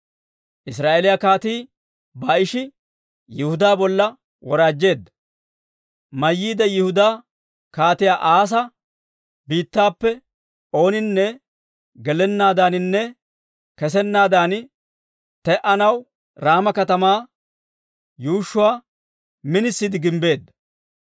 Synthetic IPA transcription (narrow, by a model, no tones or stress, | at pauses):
ʔɪsɾaːʔeːlɪjakaːt̪iː | bɐɪʃɪ | jɪhʊd̪aːbɔlːɐ | wɔɾaːd͡ʒːe̞ːd̪ːɐ | mɐjːiːd̪ɐjɪhʊd̪aː | kaːt̪ɪjaːʔaːs̬ɐ | biːt̪ːaːpːɛ | o̞ːnɪnːɛ | ɡɛlɛnːaːd̪aːnɪnːɛ | kɛs̬ɛnːaːd̪aːn | t̪ɛʔɐnɐw | ɾaːmɐkɐt̪ɐmaː | juːʃːʊwaː | mɪnɪsːid̪ɪɡɪmbe̞ːd̪ːɐ̥